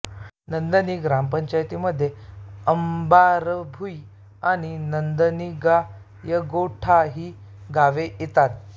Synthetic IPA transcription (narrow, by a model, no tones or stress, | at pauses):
nənd̪əniɡɾampəɲt͡ɕajt̪iməd̪ʱːjeəmbaɾəbʱuj | aɽ̃inənd̪əniɡa | jəɡoʈʰaɦiː | ɡaʋeit̪at̪̚